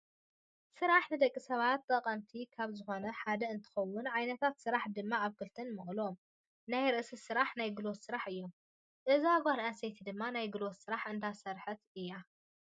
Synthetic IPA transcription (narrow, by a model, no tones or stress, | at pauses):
sɨɾaħnɨd̪ɐkʼːisɐβat̪ːɐqʼɐmt̪ʰikʰaβzɨxo̞nɐħad̪ɐɨnt̪ʰɨ̥xɐwːʊnʕajnɐt̪ʰat̪sɨɾaħd̪ɨmːaaβkʰɨlt̪ʰɨnmɨχʼlo̞m | najɾɨʔsɨsɨɾaħnajɡɨlo̞t̪sɨɾaħɨjːo̞m | ʔɨziaɡʷaɾasejt̪ʰid̪ɨmːanajɡɨlo̞t̪sɨɾaħʔɨnd̪ʰasɐɾħɨt̪ɨjːa